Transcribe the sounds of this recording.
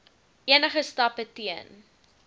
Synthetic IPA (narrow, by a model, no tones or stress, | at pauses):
iənəχəstɐpətiən